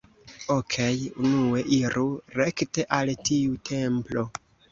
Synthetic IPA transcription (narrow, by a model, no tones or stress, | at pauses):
okʰejunue̞ʔiɾuɾe̞kte̞ʔaltiutʰe̞mplo̞